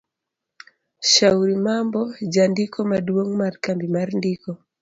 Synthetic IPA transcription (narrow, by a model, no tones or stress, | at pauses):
ʃauɾimambɔd͡ʒandikʰɔmaduwoŋmarkambimaɾndikɔ